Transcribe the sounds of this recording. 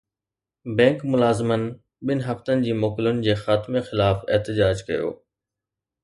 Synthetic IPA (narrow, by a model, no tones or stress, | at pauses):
bɛ̃ːŋkmʊlaːzɪmən | ɓɪnɦɐft̪ənɪ̆d͡ʑiːmoːkɪlʊn̆d͡ʑeːxaːt̪mexɪlaːfeɦt̪ɪd͡ʑaːd͡ʑkɐjo̰ː